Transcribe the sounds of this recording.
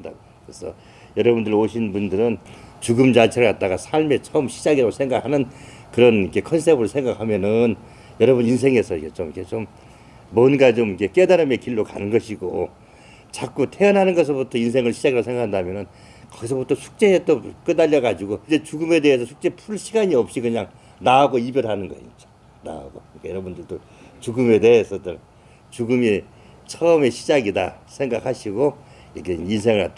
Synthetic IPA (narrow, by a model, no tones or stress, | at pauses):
nda̰ɡo | esʰʌ | jʌɾʌbundɯɾoɕʰinbundɯɾɯnt͡ɕuɡɯmd͡ʑat͡ɕʰeɾɭkat͈̚aɣasʰaɭme̞t͡ɕʰʌɯmɕʰi̥d͡ʑaɡiɾaɡosʰeŋɡakhanɯnkɯɾʌnikʰe̞kʰʌns̬ʰebɯɾɯɭsʰe̞ŋɡak̚ʰhamjʌnɯn | jʌɾʌbunins̬ʰe̞ŋe̞sʰʌikʰet͡ɕomikʰet͡ɕomː | ʌnɡat͡ɕomikʰe̞k͈edaɾɯmekiɭːoka̰nɯnɡʌɕʰiɡo | t͡ɕak͈utʰeʌnɦanɯnɡʌs̬ʰʌbutʰʌinsʰe̞ŋɯɭɕʰid͡ʑaɡiɾaosʰe̞ŋɡakʰandamjʌnɯn | kʌɡis̬ʰʌbutʰʌsʰu̥k̚t͡ɕ͈e̞ːt͈ok͈ɯdaʎːʌɡad͡ʑiɡoid͡ʑe̞t͡ɕuɡɯme̞de̞ɦesʰʌsʰuk̚t͡ɕ͈e̞pʰuɭɕʰiɡaɲiʌp̚ɕ͈ikɯɲaŋ | naːɡoibjʌɾɦanɯnɡʌ̰ɕʰit͡ɕo̥ | na̰a̰ɡokɯɯɾik͈ajʌɾʌbundɯɭdo | t͡ɕuɡɯme̞de̞ɦːsʰʌtʌn | t͡ɕuɡɯmi | t͡ɕʰʌːme̞ɕʰid͡ʑaɡida̰sʰeŋɡakʰaɕʰiɡo | iɾʌkʰeins̬ʰe̞ŋɯɭhat͈a